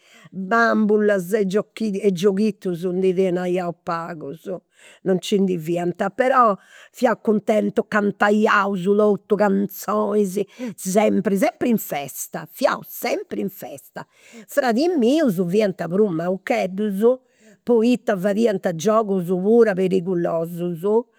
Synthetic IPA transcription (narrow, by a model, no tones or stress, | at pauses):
bambulazɛd͡ʒokːiɛd͡ʒːoɣit̪ːuzund̪iðɛnajaupaːɣuzu | nɔnt͡ʃind̪iviːant̪apɛɾɔ | fjaukːunt̪ɛnt̪ɔkant̪ajauzulɔt̪ːukant̪sɔizisɛmpɾis̬ɛmpɾiɱfɛst̪afja̰ṵsɛmpɾiɱfɛst̪a | fɾaðimiːuzuviant̪aβɾumːaukɛd̪uzu | pɔit̪ːavaðiːant̪ad͡ʒɔːɣuzuβuːɾapeɾiɣulɔːzuzu